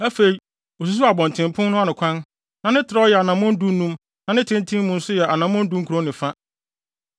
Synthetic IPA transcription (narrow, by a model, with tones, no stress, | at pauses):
æ˦fe˨i˨˦ | o˨s̬u˨s̬u˦a˨bɔ̃˨ntʰɪ̃˨m˨pʰʊ̃˦nnʊ̃˦a˦nɪ̃˨kʷʰã˦n | nã˨nɪ̃˦tʰɪ˨ɾɔ˦jɛ˨a˨nã˨mʊ̃˦n̩˦du˦nũ˦m | nã˨nɪ̃˦tʰɪ̃˦ntʰĩ˦mː˦mũ˨n̩˦sʊ˦jɛ˨ʔa˨nã˨m˦mʊ̃˦n̩˦du˦ŋ˦kʰu˨ɾo˦nɪ̃˨fa˦